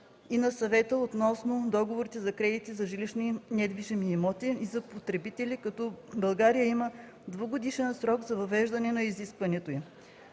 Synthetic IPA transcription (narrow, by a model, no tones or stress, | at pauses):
inɐsɐvɛt̪əot̪nɔsnod̪ɔɡovoɾit̪ɛzɐkɾɛd̪it̪izɐʒiliʃninɛd̪viʒɛmiːmɔt̪iizɐpot̪ɾɛbit̪ɛlikɐt̪ɔbɐlˠɡaɾijəimə | d̪voɡod̪iʃɛnsɾɔɡzɐvɐvɛʒd̪ɐnɛnɐiziskvɐnɛt̪oji